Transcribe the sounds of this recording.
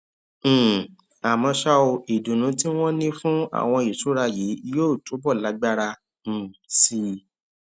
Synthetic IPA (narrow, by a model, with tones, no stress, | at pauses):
a˨mɔ̃˧ʃa˦o˧i˨du˨nũ˨˦ti˦w̃ɔ̃˦nĩ˦fũ˦a̰˦˨w̃ɔ̃˧i˨tu˨˦ɾa˧je˨˦i˧joː˦˨tu˨˦bɔ˦˨la˨˦ɡ͡ba˦ɾa˧ | n̩˨si˧